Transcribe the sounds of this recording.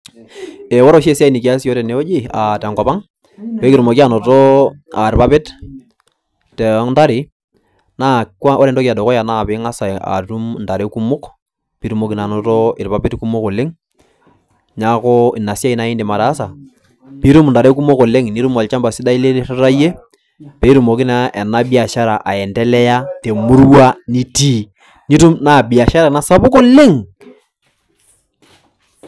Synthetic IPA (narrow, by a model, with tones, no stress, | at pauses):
e˨wɔ˦ɾo˦ʃe˦sa˦i˨ni˨ki˨a˦sjo˦ɾe˨ne˨o˦d͡ʒi˦a˨tɛ˨ŋkɔ˨pa˦ŋ | we˦kɪɾu˨mo˨ki˦a˦˨nɔ˨to˦a˨ɾpa˦pɪ˦t | tɛ˨˦ŋnta˦ɾɪ˨ | na˦ka˦o˦ɾe˨ntɔ˦kja˨dɔ˨kɔ˦ja˨na˦˨pɪ˦ŋa˦sa˨a̰˨tu˦mnda˨ɾe˦ku˦mʊ˦k | pi˨˦ɾu˦mo˦ki˨na˨no˨to˦ɪ˨ɾpa˨pɪ˦tku˦mʊ˦ko˨le˦ŋ | ɲa˦ko˦i˨na˨sja˦i˦na˨˦i˦nde˨ma˨ɾaː˨˦sa˨ | pi˦ɾu˦m˨nda˨ɾe˦k̬u˦mo˦ko˨le˦ŋni˦ɾu˦ma˨lt͡ʃa˦mba˨sɪ˦da˦i˦le˦ɾa˦ɾa˦je˦ | pe˨˦i˦ɾu˨mo˨ki˦na˦ʔɛ˨na˦bi˦a˨ʃa˦ɾa˨ʔa˨ɛ˨ndɛ˦lɛ˦ja˦te˨mu˦ɾwa˦ni˦ti˦ | ni˦tu˦mna˦˨bi˨a˨ʃa˦ɾa˨na˦sa˦bʊ˦ko˦lɪ˦ŋ